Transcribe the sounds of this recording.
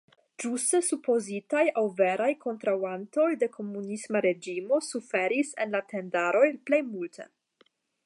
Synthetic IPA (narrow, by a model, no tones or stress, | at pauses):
d͡ʒustesupo̞zitajawve̞ɾajkʰo̞ntɾawanto̞jde̞kʰo̞munismaɾe̞d͡ʒimo̞sufe̞ɾisḛnlatʰe̞ndaɾo̞jple̞jmultʰḛ